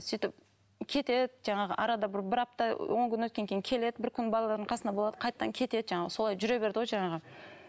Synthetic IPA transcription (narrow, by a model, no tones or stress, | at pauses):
sijt̪ɪp̚ | kʲʰe̞t̪e̞d̪ɪʒɑɴɑʁə̰ʔɑɾɑd̪ɑbɪɾbɪɾɑp̚t̪ɑwo̞ŋkʲʰʏnwɵt̪kʲe̞ŋkʰʲe̞jɪŋkʲʰe̞le̞d̪ɪbɪɾkʲʰʏnbɑlˠɑlˠɑɾd̪əɴqʰɑsənɑbo̞lˠɑd̪ə̥qʰɑjt̪t̪ɑŋkʲʰe̞t̪e̞d̪ɪʒɑɴɑʁəso̞lˠɑjʒʏɾe̞be̞ɾd̪ɪwojʒɑɴɑʁə